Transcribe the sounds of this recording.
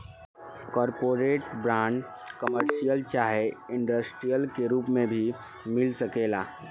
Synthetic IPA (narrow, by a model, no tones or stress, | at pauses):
kɔːɾpoːɾeːʈbɾãːɳɖ | kəməɾʃijəlt͡ʃaːɦeɪ̃ɳɖəsʈɾijəlkeɾuːpmẽbʱi | mɪlsəkeːla̰ː